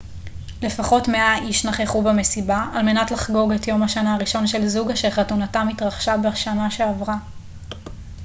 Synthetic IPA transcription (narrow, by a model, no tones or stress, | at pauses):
le̞faχo̞tme̞aʔiʃnaχeχubeme̞sibaalme̞natlaχɡo̞ɡetjo̞maʃanaːʁiʃo̞nʃe̞lzuɡaʃeχatunatamitʁaχʃabeaʃanaʃe̞avʁa